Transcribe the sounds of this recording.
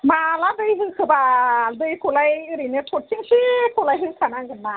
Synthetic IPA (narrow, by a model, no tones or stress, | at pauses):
malad̪ɯjɦɯkʰɯbaldɯjkʰulajɯɾinetʰoʈ̚siŋsikʰolajɦɯsʰanaŋɡɯnma